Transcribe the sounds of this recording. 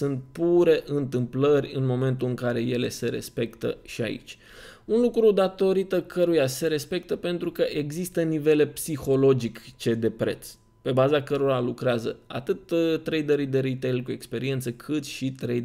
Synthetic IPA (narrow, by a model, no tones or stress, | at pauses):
sɨnt̪̚puɾe̞ʔɨnt̪ɨmplərʲɨnmo̞me̞nt̪ulɨŋkaɾe̞je̞le̞se̞ɾe̞̰spe̞kt̪ə̰ʃia̰ḭt͡ʃʲ | unlukɾud̪at̪o̞ɾit̪əkʰəɾujase̞ɾe̞spe̞k̚t̪əpe̞nt̪ɾukəʔe̞ɡzist̪ənive̞le̞psixo̞lo̞d͡ʒikt͡ʃe̞d̪e̞pɾe̞̰t̪s | pe̞bazakəɾo̞ɾalukɾeazə̰a̰t̪ɨt̪t̪ːɾejd̪əɾid̪e̞ɾit̪ejlkue̞kspe̞ɾie̞nt̪səkʰɨt̪ʃit̪ɾej